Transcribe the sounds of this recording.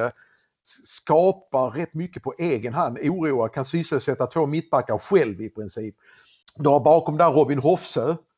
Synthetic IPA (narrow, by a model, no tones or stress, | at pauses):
ə | skɑːpaɾɛt̪ːmʏkːəpʰɔʔeːɡənɦand̪uːɾuːakʰansysəsɛt̪ːat̪ʰvoːmɪt̪̚baɾkːaɾɧɛlvɪpʰɾɪnsiːp | d̪ɵhaɾbɑːkɔmd̪æɾɔbɪnɦɔfsøː